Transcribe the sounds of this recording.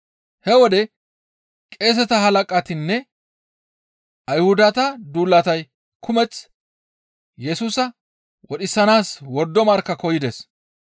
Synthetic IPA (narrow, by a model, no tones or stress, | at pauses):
hɛwɔd̪ɛ | kʼe̞ːs̬ɛt̪ɐɦɐlɐkʼɐt̪ɪnːɛ | ɐjhʊd̪ɐt̪ɐd̪uːlːɐt̪ɐj | kʰʊmɛt͡s | jɛsuːsɐ | wɔɗɪsːɐnaːswɔd̪ːɔmɐɾkːɐkɔjɪd̪ɛs